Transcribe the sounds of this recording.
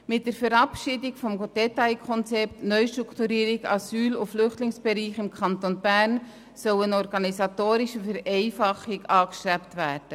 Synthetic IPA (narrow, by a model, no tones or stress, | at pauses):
mɪt̚d̥əɾfɛɾɑpʃidɪkfɔmɡod̥ɛtaɪkʰɔnt͡sɛptnœʏʃtɾuktuɾiːɾɪɡɑsyːlʊflʏχtlɪŋsb̥ɛɾiːχɪmkʰɑntonb̥æɾn | sœwənɔɾɡɑnisɑtoːɾiʃəfɛɾɛɪfɑχɪkɑːkʃtɾæptvæːɾd̥ə